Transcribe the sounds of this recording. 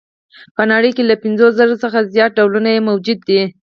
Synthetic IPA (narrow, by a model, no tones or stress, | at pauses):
pənɑɽəjkelapɪnzoszəɾosəxazjɑt̪̚ɖawlunajemawd͡ʒud̪ːi